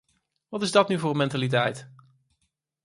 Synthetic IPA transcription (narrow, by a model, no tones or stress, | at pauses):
ʋɑtɪzdɑtnyvʊːrmɛntalit̬ɛjt